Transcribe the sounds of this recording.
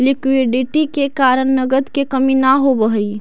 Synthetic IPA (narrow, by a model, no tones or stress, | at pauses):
lɪkwɪɖɪʈikekaːɾəɳnɐɡəd̪kekɐminaɦobəɦi